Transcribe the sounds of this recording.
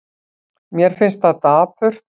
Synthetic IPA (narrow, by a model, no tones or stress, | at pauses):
mjɛɾ̥fɪnst̪aðt̪aːpʰʏr̥t̪